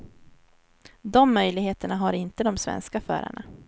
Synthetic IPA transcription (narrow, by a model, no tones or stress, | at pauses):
d̪ɔmːœjlɪɡheːt̪əɳaɦaɾɪnt̪əd̪ɔmsvɛ̰nskafœ̰ːɾa̰ɳa